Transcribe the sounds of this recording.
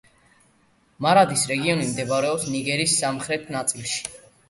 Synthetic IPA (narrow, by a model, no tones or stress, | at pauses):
maɾad̪isɾɛɡiɔnimd̪ɛbaɾɛɔpsniɡɛɾisːamχɾɛt̪ʰnat̪sʼilˠʃi̥